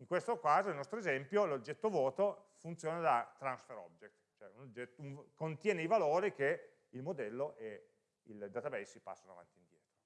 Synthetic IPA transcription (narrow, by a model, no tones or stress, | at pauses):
iŋkwest̪okaːzoilnɔst̪ɾoezɛmpjolod͡ʒːɛt̪ːovɔːt̪o | funt̪sjoːnad̪at̪ɾansfeɾɔ̰bjek̚t̪t͡ʃoɛunod͡ʒet̪unkont̪jɛːneivaloːɾik̟e | ilmod̪ɛlːoʔe | ild̪at̪abɛjsːipa̰sːanoa̰va̰nt̪ind̪jɛːt̪ɾo